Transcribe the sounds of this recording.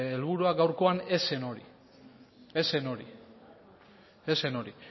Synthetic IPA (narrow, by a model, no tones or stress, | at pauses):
elβuɾuaɡawɾko̞ane̞se̞no̞ɾḭ | e̞se̞no̞ɾi | ese̞no̞ɾi